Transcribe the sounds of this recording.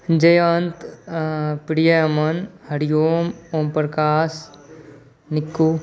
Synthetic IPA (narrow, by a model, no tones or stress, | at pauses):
d͡ʒɐjant̪ | pɾijɐɐmɐnhɐɾijoːmoːmpɾɐkaːs | nɪkːu